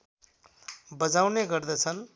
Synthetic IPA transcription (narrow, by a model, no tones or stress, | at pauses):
bʌd͡zawneɡʌrd̪ʌt͡sʰʌn